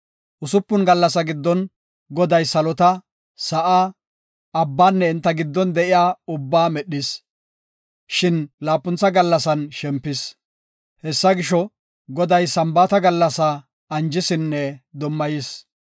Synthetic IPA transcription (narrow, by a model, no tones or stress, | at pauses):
ʔʊsʊpːʊnɡɐlːɐsɐɡɪd̪ːɔn | ɡɔd̪ɐjsɐlɔt̪ɐ | sɐʔaː | ɐbːaːnːɛɪnt̪ːɐɡɪd̪ːɔnd̪ɛʔɪjaːʊbːaːmɛɗɪs | ʃɪnlaːpːʊnt͡sːɐɡɐlːɐsɐnʃɛmpːɪs | hɛsːɐɡɪʃɔ | ɡɔd̪ɐjsɐmbaːt̪ɐɡɐlːɐsɐ | ɐnd͡ʒɪsɪnːɛd̪ɔmːɐjɪs